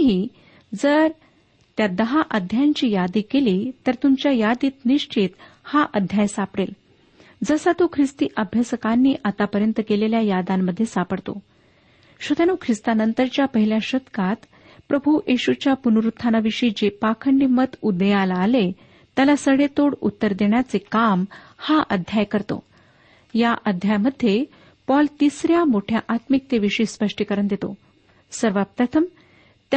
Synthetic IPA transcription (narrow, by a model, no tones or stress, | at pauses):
ɦiː | d͡zəɾ | t̪jad̪əɦaʔəd̪ʱjaɲt͡ɕiːjad̪iːkeliːt̪əɾt̪umt͡ɕjajad̪iːt̪niʂt͡ɕit̪ | haʔəd̪ʱjajsapɽel | d͡zəsat̪ukʰɾist̪iːʔəbʱjəsəkanːiːʔat̪apəɾjənt̪əkeleljajad̪amːəd̪ʱːjesapəɽt̪o̰ | ɕut̪januːkʰɾist̪anənt̪əɾt͡ɕjapəɦiljaɕət̪kat̪ | pɾəbʱujʔeɕut͡ɕjapunɾut̪ʰːanaʋiʂiːd͡ʑepakʰəɳɖimət̪ud̪əjalaːle | t̪jalasəɡɭet̪oɽṵt̪ːəɾd̪eɳjat͡sekamhaʔəd̪ʱjajkəɾt̪o̰ | jaʔəd̪ʱjajməd̪ʱːje | pɔlt̪isɾjamoʈʰjaʔat̪mik̚t̪eʋiʂiːspəʂʈikəɾəɳd̪et̪o̰ | səɾʋapɾət̪ʰəm | t̪